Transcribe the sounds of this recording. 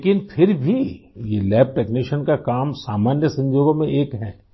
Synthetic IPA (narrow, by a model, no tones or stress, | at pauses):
ekɪnpʰɪɾbʱijelɛːp̚ʈɛːkniʃənkakaːmsaːmaːnjəsɐ̃ɲd͡ʒoːɡomẽʔeːkɦɛː